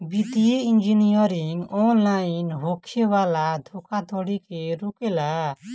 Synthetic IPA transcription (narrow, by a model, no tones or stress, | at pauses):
bid̪ieind͡ʒinijɔɾiŋɔnlajnɦokʰebalad̪ʱokad̪ʱɔɽikeɾukela